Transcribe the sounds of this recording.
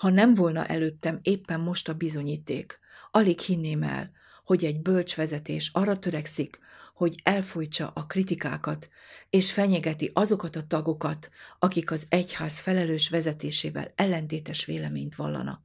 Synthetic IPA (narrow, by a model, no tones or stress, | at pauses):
hɒnɛɱvo̞lnɒ̰ʔɛløːt̪ːɛmeːpːɛmːo̞ʃt̪ɒbizo̞ɲiːt̪ḛːk | ɒlikhinːeːmɛ̰l | ho̞ɟɛɟbø̞lt͡ʃʋɛzɛt̪eːʃɒrːɒt̪ø̞ɾɛksikho̞ɟɛlfo̞jt͡ʃɒ̰ʔɒkrit̪ika̰ːkɒt̪eːʃfɛɲɛɡɛt̪iʔɒzo̞kɒt̪ɒt̪ɒɡo̞kɒt̪ɒkikɒzɛchaːsfɛlɛløːʃʋɛzɛt̪eːʃeːvɛ̰lɛlːɛnt̪eːt̪ɛʃʋḛːlɛmeːɲt̪ʋɒ̰lːɒ̰nɒ̰k̚